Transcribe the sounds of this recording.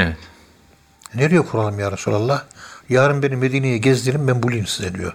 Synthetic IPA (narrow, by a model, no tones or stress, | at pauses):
evɛt̪ | neɾijɛkʰuɾalˠɯmjaːɾasṵlʲalˠːɑhjaːɾɯmbenimed̪iːnejɛɟɛzlʲiɾimbænbulʲˠinsized̪ijo̰ɾ